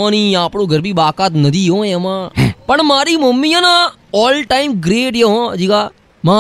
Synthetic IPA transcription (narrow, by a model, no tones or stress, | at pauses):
aːniːaːpnõːɡəɾbiːbaːkaːt̪nəd̪iːɦõːẽəmãːpəɳmaːɾiːməmːiːãːnãː | ɔːlʈaːiːmɡɾeːʈjeɦõːd͡ʒiːɡaː | maː